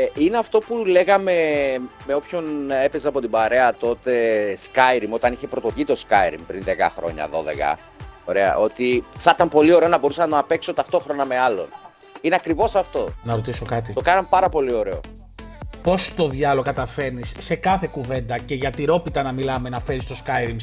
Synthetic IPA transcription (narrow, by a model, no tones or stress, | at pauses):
ineɐft̪o̞pule̞ɣɐme̞meo̞pço̞ne̞pezɐɐpo̞t̪ibɐɾe̞ɐt̪o̞t̪e̞skɐjɾimo̞t̪ɐniçe̞pɾo̞t̪oʝit̪o̞skɐjɾḭmpɾinðe̞kɐ̰xɾo̞̰ɲɐ̰ðo̞̰ðe̞̰kɐ̰ | o̞ɾe̞ɐ̰ʔo̞t̪iθɐt̪ɐmpo̞lio̞ɾeo̞nɐbo̞ɾusɐnɐnɐːpe̞kso̞t̪ɐft̪o̞xɾo̞nɐme̞ɐlo̞̰n | ineɐkɾivo̞sɐft̪o̞nɐɾo̞t̪iso̞kɐt̪it̪okɐnɐmpɐɾɐpo̞lio̞ɾeo̰ | po̞st̪o̞ðʝɐlokɐt̪ɐfe̞nisːe̞kɐθe̞kuve̞nd̪ɐce̞ʝɐt̪iɾo̞pit̪ɐnɐmilɐme̞nɐfeɾist̪o̞skɐjɾim